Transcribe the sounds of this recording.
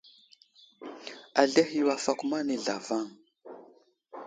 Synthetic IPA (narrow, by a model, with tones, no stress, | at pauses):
a˨ɮe˦hi˦˨wa˨fa˦ku˦ma˦ne˨ɮa̰˨va˦˨ŋ